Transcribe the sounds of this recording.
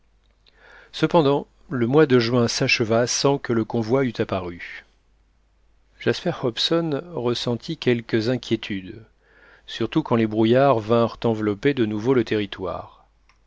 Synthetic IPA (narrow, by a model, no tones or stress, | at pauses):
səpɑ̃d̪ɑ̃ | ləmwad̪əʒɥɛ̃saʃəvasɑ̃kələkɔ̃vwayt̪apaʁy | ʒ̥aspɛʁhɔpsɔnʁəsɑ̃t̪ʰikʲɛlkəzɛ̃kʲjet̪ʰyd̪ | syʁt̪ukɑ̃lebʁujaʁvɛ̃ʁt̪ɑ̃vlɔped̪ənuvolət̪eʁit̪wa̰ːʁ